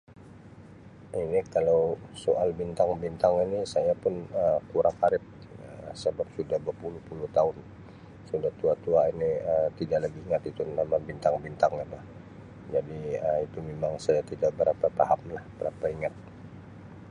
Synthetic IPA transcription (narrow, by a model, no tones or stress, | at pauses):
ʔinikalowsoʔalbint̪aŋbint̪aŋinisajapʊnəkuɾʔaŋaɾɪp̚ | asəbap̚sudahbəpulʊhpuluht̪aʊn | sudaht̪uat̪uainiət̪idaʔlaɡiːŋat̪it̪unamabint̪aŋbint̪aŋalah | d͡ʒadiəit̪umemaŋsajat̪idaʔ̚bəɾapapahamlahb̥əɾapaiŋat̪̚